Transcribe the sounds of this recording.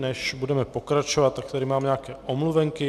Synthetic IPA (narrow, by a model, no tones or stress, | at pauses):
ɲɛʃbudɛmɛpɔkɾat͡ʃɔʋat̪ːak̚t̪ad̪iːmaːmɲɛakɛːɔmluʋɛŋki